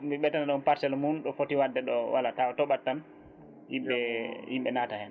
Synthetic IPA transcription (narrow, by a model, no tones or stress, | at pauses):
miɓɛtːanaɗɔnpaɾsɛlmunɗɔfotiwadːɛɗɔwa̰latawɔtɔɓatːan | hiɓɛimɓɛnatahɛn